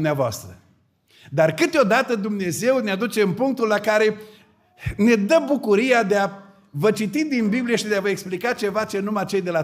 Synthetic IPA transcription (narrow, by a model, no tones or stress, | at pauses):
mneavoa̰st̪ɾə | d̪arkɨt̪eo̞d̪at̪əd̪umne̞ze̞wnead̪ut͡ʃe̞ɨmpuŋk̚t̪ulːakaɾe̞ | ne̞d̪əbukuɾijad̪ea | vət͡ʃit̪id̪inbiblijeʃid̪eavəeksplikat͡ʃe̞vat͡ʃe̞numat͡ʃe̞jd̪e̞la